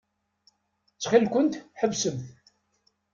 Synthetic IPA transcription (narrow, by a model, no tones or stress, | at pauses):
t͡sːχilkʷʊnt̪ħəvsəmθ